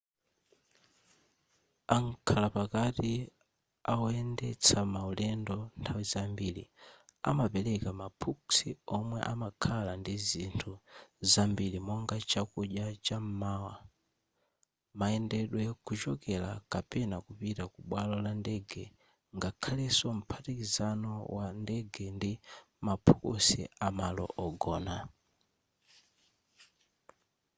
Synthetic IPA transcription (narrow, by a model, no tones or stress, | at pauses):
aŋkʰalapakati | auɛndɛt͡sʰamaulɛndɔntʰawizambilḭa̰mapɛlɛkamapʰuksiɔmwɛ̰ʔamakʰalandizintʰuzambilimɔŋɡat͡ʃakuʄat͡ʃam̩mawa | maɛndɛɗwɛkut͡ʃɔkɛlakapɛnakupitakuɓwalɔlandɛɡɛ | ŋɡakʰalɛsɔm̩pʰatikizanɔwandɛɡɛndi | mapʰu̥kusḭamalɔ̰ʔɔɡɔːna